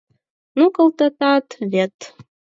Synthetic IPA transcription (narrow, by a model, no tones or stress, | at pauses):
nukʼəlt̪ɐt̪at̪ʰvʲet̪ʰ